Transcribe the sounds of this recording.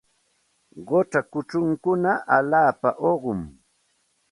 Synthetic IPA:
ɢot͡ʃakʊt͡ʃʊŋkʊnaʔalaːpa̰ʔoɢʊm

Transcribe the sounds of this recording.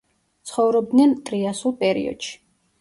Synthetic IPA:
t̪sʰχɔvɾɔb̚d̪nɛnt̪ʼɾiasulˠpʼɛɾḭɔ̰d̪̥ʃi̥

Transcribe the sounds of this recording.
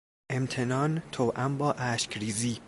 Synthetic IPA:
ʔemt̪ʰenɒːnt̪ʰowʔæmbɒːʔæːʃcʰɾiːziː

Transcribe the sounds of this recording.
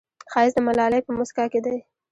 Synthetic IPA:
xɑɪzd̪əmalɑləjpəmʊskɑked̪aj

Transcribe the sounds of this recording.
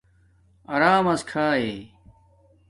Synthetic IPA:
ɐɾaːmɐskʰaːeː

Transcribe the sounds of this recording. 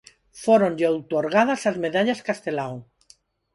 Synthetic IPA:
foɾõnʎaowt̪oɾɣaðasazmeðaʎaskast̪e̞law

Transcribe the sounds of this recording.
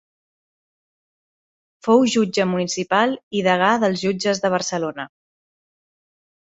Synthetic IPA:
fowʒud͡ʒəmunisipalˠiðəɣ̞aðəlˠzʒud͡ʒəzðəβ̞əɾsəlonə

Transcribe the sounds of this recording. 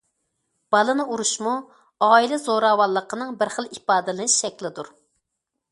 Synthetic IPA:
b̥ɑlˠɨnɨuɾuʃmu | ɑːilɛzoɾɑːwɑlˠːəqʰənɨŋbɪɾχəlˠipɑːd̪ɪlˠɨʃʃɛkʲlɪd̪uɾ

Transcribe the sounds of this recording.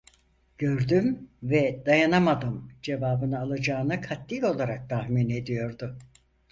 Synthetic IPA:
ɟ̥ø̞ɾd̪ymvɛd̪ajanamad̪ɯmd͡ʒe̞vaːbɯnɯalˠad͡ʒaːɯnɯkʰat̪ːilo̞lˠaɾak̚t̪ʰahmine̞d̪ijo̞ɾd̪ʊ

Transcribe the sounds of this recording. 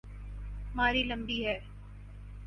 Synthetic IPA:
maːɾilə̃mbiːɦɛː

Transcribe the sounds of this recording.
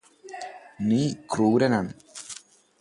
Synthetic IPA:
niːkruːɾɐnɐn

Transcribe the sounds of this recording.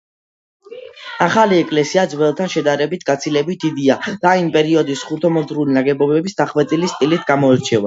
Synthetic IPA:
aχaliɛkʼlɛsiad̪zwɛlˠt̪ʰanʃɛd̪aɾɛbit̪̚ʰɡat̪sʰilɛbit̪̚d̪id̪iad̪̥aimpʼɛɾiɔd̪isχuɾt̪ʰɔmɔt̪ʰʼɾulinaɡɛbɔbɛbisd̪aχwɛt̪ʼilist̪ʼilit̪ʰɡamɔɛɾt͡ʃʰɛva

